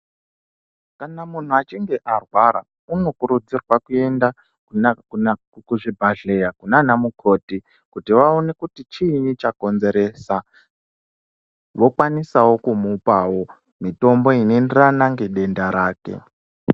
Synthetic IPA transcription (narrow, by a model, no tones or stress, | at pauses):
kanamun̤uat͡ʃiŋɡe̞ʔarwaɾa̰ | uno̞kuɾud͡zirwakue̞nda | ku | kuʐibʱaɮe̞jakunanamukʰo̞ːti | kutiʋaone̞kutit͡ʃiːnit͡ʃako̞nze̞ɾe̞sa | ʋo̞kwanisawo̞kumupawo̞ | mito̞mbo̞inenderanaŋɡe̞ɗe̞ndaɾaːke̞̰